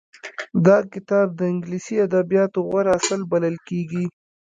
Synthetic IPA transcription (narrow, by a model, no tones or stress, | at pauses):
d̪ɑkɪt̪ɑb̚d̪əɪŋɡlisiad̪abijɑt̪oɣaɾasəlbaləlkeɡi